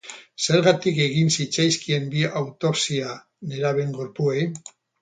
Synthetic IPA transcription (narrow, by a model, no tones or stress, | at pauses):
se̞ɾɣat̪ike̞ɣinsit͡sajskie̞mbiawt̪o̞psia | ne̞ɾaβ̞e̞ŋɡo̞ɾpuej